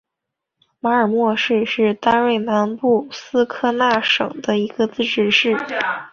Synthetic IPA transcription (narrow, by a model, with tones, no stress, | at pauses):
ma˧˥ə˞˨˩mwɔ˥˧ʂɻ̩˥˧ʂɻ̩˥˩t̪a˥nwe˥˩ɪna˧˥npu˥˧sɹ̩˥kʰɤ˥˧na˥˩ʂɤ̰˨˩ŋd̪ə˦i˧˥ɡə˧t͡sɹ̩˥˧ʈ͡ʂɻ̩˥˧ʂɻ̩˥˩